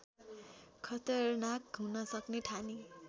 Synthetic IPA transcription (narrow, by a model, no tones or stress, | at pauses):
kʰʌt̪ʌrnakɦunʌsʌkneʈʰani